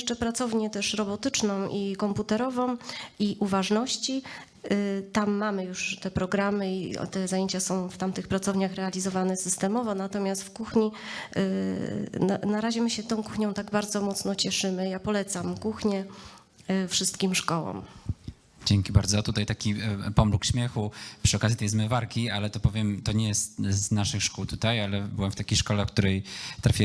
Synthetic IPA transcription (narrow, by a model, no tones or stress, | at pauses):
ʂt͡ʂɛpɾat̪sɔvɲɛt̪ɛʂɾɔbɔt̪ɘt͡ʂnɔ̃w̃ʔikɔmput̪ɛɾɔvɔ̃w̃iʔuvaʐnɔɕt͡ɕi | t̪amːamɘjuʂt̪ɛpɾɔɡɾamɘḭt̪ɛzajeɲt͡ɕasɔ̃w̃ft̪amt̪ɘxpɾat̪sɔvɲaxɾɛalʲizɔvanɛsɘst̪ɛmɔvɔnat̪ɔmʲjast̪fkuxɲi | na̰naɾaʑɛmɘɕɛt̪ɔ̃w̃kuxɲɔ̃w̃t̪aɡbaɾd̪zɔmɔt̪snɔt͡ɕɛʂɘmɘjapɔlɛt̪samkuxɲɛ | fʂɘst̪kʲimʂkɔwɔ̰m | d͡ʑɛŋkʲibaɾd̪zɔt̪ut̪ajt̪akʲipɔmlukɕmʲjɛxupʂɨɔkazʲjit̪ɛjs̬mɘvaɾkʲialɛt̪ɔpɔvʲjɛmt̪ɔɲɛjɛst̪znaʂɘxʂkuwt̪ut̪ajalɛbɘwɛmft̪akʲejʂkɔlɛfk̚t̪uɾɛjt̪ɾafʲi